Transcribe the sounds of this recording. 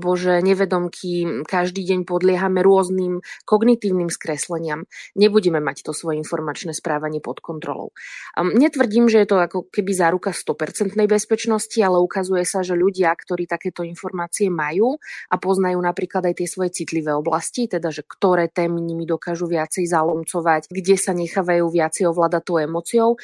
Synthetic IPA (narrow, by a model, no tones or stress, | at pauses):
bɔʒɛɲɛʋɛd̪ɔmkʰikaʒd̪iːɟɛɲpɔd̪lɪɛɦamɛɾʊɔzniːmkɔɡnit̪iːʊniːmskɾɛslɛɲɪamɲɛbuɟɛmɛmact̪ɔsʋɔjɛinfɔɾmat͡ʃnɛːspɾaːʋaɲɪɛpɔt̪kɔnt̪ɾɔ̰lɔ̰ʊɲɛt̪ʋr̩ɟiːmʒɛjɛt̪ɔakɔkɛbizaːɾukast̪ɔpɛɾt͡sɛnt̪nɛjbɛspɛt͡ʃnɔscialɛukazujɛsaʒɛʎuɟɪakt̪ɔɾiːt̪akɛːt̪ɔinfɔɾmaːt͡siɛmajuːʔapɔznajuːnapɾiːklad̪ajt̪ɪɛsʋɔjɛt͡sit̪liʋɛːɔblascit̪ɛd̪aʒɛkt̪ɔɾɛːt̪ɛːmiɲimid̪ɔkaːʒuʋɪat͡sɛjzalɔmt͡sɔʋacɡɟɛsaɲɛxaːʋajuːʋɪat͡sɛjɔʋlaːd̪at̪ɔʊɛmɔt͡siɔʊ